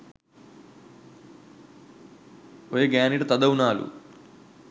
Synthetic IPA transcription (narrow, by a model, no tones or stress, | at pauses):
ojeɡaːniʈɐt̪ɐd̪ɐwunaːlṵ